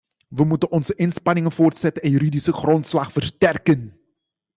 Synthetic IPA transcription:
ʋəmutənʔɔnzəʔɪnspɑnɪŋənvoːrtsɛtənɛnjyɾidisəχrɔntslɑχfərstɛrkən

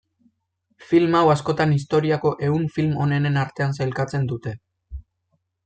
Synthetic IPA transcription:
filmawasko̞t̪anist̪o̞ɾiako̞ʔe̞uɱfilmo̞ne̞nenaɾt̪e̞ansajlkat͡se̞nd̪ut̪e̞

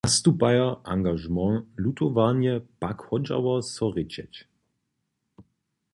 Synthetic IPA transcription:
ast̪upajɐaŋɡaʒmɑ̃lut̪ɔvanjɛpakhɔd͡ʒa̰wɐsɔʁɪt͡ʃɛt͡ʃ

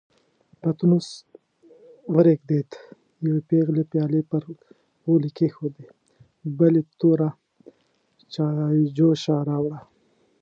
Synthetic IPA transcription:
pat̪unus | wəɾekd̪et̪ | jawepeɣlepjɑlepəɾ | ɣolikexod̪e | bəlet̪oɾa | t͡ʃɑd͡ʒoʃɑɾɑwɽa

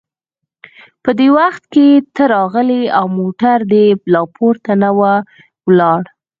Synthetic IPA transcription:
pəd̪ewaxt̪ket̪əɾɑɣəleawmoʈaɾd̪əblɑpʰoɾt̪anawa | wlɑɽ

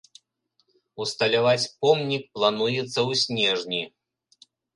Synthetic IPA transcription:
ust̪ɐlʲavat͡sʲpɔmnʲik̚plˠanujɛt̪sːɐwsʲnʲɛʐnʲi

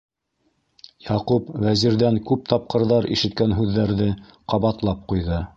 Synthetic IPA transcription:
jɑqupvæziɾðæŋkʉp̚t̪ɑp̚qɤ̆ɾðɑɾiʃɘ̆t̪̚kænɦʉðːæɾðɘ | qɑβɑt̪lˠɑp̚qujðɤ

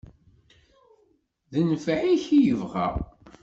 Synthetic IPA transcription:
ðənfæʕiçijəvʁæ̰ʁ

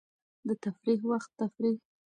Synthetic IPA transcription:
d̪ət̪afɾiɦwaxt̪ːafɾih

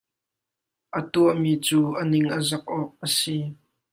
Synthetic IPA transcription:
ʔət̪uəʔmiːt͡suːʔənɪŋʔəzɐk̚ʔɔk̚ʔəsi

